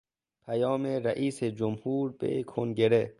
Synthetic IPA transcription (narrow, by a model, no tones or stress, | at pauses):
pʰajɔːmeɾaʔiːsed͡ʒumhuːɾbḛkʰonɡeɾe